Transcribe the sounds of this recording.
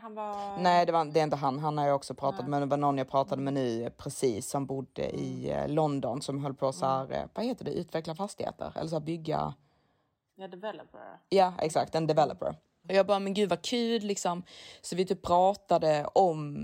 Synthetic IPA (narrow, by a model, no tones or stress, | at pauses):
nɛːd̪ɛvad̪ɛɾɪnt̪əɦanɦanhaɾjaɔksɔpʰɾɑːt̪at̪mɛnd̪ɛvanɔnːjaɡpʰɾɑːt̪ad̪əmɛnʉ̟ːpʰɾɛsiːsːɔmbʊd̪ːə̰ʔɪ̰lɔnd̪ɔnsɔmɦɔlːpʰɔsæːɾvaheːt̪ːɵdɛʔʉ̟ːt̪ʰvɛklafast̪ɪhḛːt̪ʰə̰ɾɛ̰lːəʂ̬æːɾbʏɡːa̰ | jaːɛ̰ksakt̪ɛnd̪ɛvɛlːə̰pə̰ɾ | ɔjɑːbɑːɾamɛnɡʉ̟ːd̪vakʰʉ̟ːd̪lɪksɔmsɔvɪt̪ʰyːp̚pʰːɾɑːt̪ad̪əɔm